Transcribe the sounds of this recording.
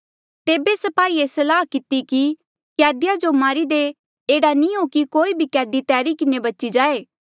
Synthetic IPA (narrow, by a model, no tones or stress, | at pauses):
t̪eːbesɐpaːiesɐlaːɦkɪt̪iki | kɛːd̪ɪjad͡ʒomaːɾid̪e | eːɽanĩɦoːkikoːibʱikɛːd̪it̪ɛːɾikɪnebɐtːt͡ʃid͡ʒaːeː